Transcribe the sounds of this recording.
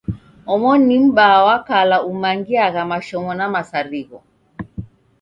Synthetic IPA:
ɔmɔnim̩ɓawakalaumaŋɡiaɣamaʃɔmɔnamasaɾiɣɔ

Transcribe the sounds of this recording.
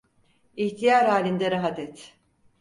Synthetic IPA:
içt̪ʰijaɾaːlʲind̪ɛɾaɦat̪ɛt̪

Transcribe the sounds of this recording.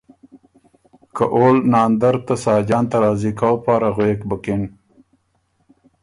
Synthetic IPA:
kaʔolnɑːnd̪aɾt̪asɑːd͡ʒɑːnt̪aɾɑːzikawpɑːɾaɣweːkbəkɪn

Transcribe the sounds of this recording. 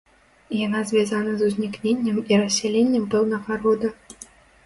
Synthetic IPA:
janazʲvʲazanɐzuzʲnʲiknʲenʲːɐmirɐsʲɛlʲenʲːɛmpɛwnɐɣɐɾɔd̪ɐ

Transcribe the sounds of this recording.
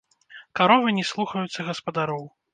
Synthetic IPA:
kaɾɔvɨnʲɛslˠuxɐjut̪sːɐɣɐspɐd̪aɾɔw

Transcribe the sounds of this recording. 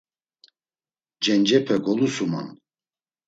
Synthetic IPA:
d͡ʒɛnd͡ʒɛpʰɛɡɔlusuma̰n

